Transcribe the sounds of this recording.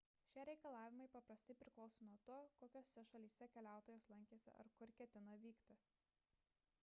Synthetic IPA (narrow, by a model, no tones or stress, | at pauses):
ʃʲiɛɾʲɛɪkɐlˠɑːʋʲɪmɐɪpɐpɾɐsʲt̪ʲɐɪpʲɾʲɪklˠɒʊsoːnuɔt̪oːkoːkʲoːsːʲɛʃɐlʲiːsʲɛkʲɛlʲæˑʊt̪oːjoːslˠɐŋʲkʲeːsʲɪ̰ʔɐ̰ɾkʊɾkʲɛt̪ʲɪnɐʋʲiːkt̪ʲɪ